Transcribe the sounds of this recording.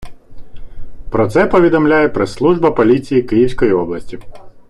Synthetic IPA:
pɾɔt̪sɛpɔʋʲid̪ɔmlʲajɛpɾeslˠuʒbɐpɔlʲit͡sʲijikɪjiwsʲkɔjiɔblˠɐsʲtʲi

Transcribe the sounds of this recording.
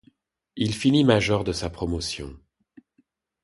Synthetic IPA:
ilfinimaʒɔʁd̪əsapχɔmɔsjɔ̰̃

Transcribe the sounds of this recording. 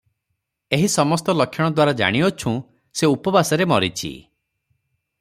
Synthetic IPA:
eɦisɔmɔst̪ɔlɔkʰjɔɽ̃ɔd̪waɾad͡ʒa̰ɽ̃iot͡ʃʰũ | seupɔbasɔɾemɔɾit͡ʃʰḭ

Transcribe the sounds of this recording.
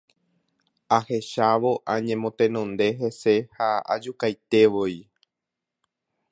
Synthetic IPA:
ahe̞ʃaʋo̞ʔãɲẽ̞mõ̞t̪ẽ̞nõ̞nd̪e̞ɦe̞se̞haa̰d͡ʒukajt̪e̞ʋoi

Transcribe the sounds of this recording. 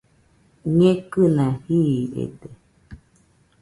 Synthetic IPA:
ɲẽkɨnãhiḛd̪e

